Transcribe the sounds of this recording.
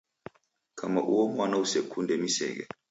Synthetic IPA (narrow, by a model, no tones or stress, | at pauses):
kʰama̰ʔuwɔmwanausekʰundʱɛmisɛ̰k̬ɛ̰